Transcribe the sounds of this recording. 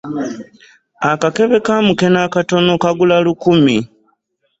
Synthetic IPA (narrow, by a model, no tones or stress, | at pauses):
akake̞βe̞kamuke̞nakato̞no̞kaɡulalukumi